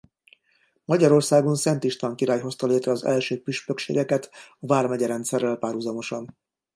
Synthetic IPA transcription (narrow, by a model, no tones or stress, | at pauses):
mɒɟɒɾo̞rsaːɡo̞nsɛnt̪iʃt̪ʋaːŋkiɾaːjɦo̞st̪ɒleːt̪rɛɒzɛ̰lʃøːpyʃpø̞kʃḛːɡɛkɛt̪ɒvaːrmɛɟɛɾɛnt̪sɛrːɛlpaːrhuzɒmo̞ʃɒn